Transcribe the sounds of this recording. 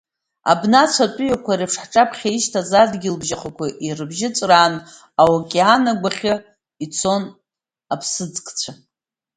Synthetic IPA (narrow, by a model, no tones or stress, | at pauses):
a̰bnat͡sʷʰatʷʼʊjakʷʰaɾipʰʂħʈ͡ʂʼapʰχʲaiʃtʰazadɡʲɪlbʒaχʰʷakʷʰaʔirɨbʒɪt͡sʼraːn | awakʲʼeanaɡʷaχʲɪ | it͡sʰo̞n | apʰsɨd͡zkʼt͡sʷʰa